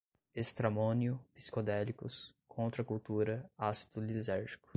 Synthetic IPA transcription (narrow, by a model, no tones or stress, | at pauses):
est̪ɾamõnjʊpi̥skod̪ɛlikʊ̰skʰõnt̪ɾɐkult̪uɾɐasi̥d̪̥ʊlizɛɾʒi̥kʊ̥